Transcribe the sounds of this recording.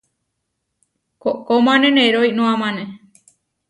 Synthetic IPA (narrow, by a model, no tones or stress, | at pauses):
kokomãneneɾojnõãmãne